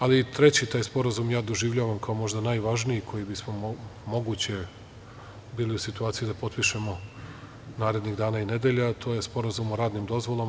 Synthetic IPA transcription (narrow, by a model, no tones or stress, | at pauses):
alit̪ɾe̞t͡ɕit̪aːjspo̞ɾazumjaːd̪oʒiʋʎaːʋamkao̞mo̞ʒd̪anaːjʋaʒnijikʰo̞jibismo̞mo̞ɡuːt͡ɕe̞ | biːliusit̪uaːt̪sijid̪apo̞t̪̚piʃemo̞ | naːɾe̞d̪niɣd̪aːnaine̞d̪eʎat̪ʰo̞ːje̞spo̞ɾazumoɾaːd̪nimd̪o̞zʋo̞lˠom